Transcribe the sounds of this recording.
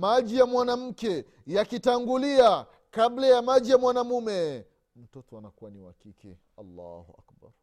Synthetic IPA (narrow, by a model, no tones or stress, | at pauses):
maʄijamwanam̩kɛ | jakitaŋɡulia | kablajamaʄijamwanamumɛ | m̩tɔtɔanakuaniwakikḭ | alːa̰huʔa̰kba̰ɾ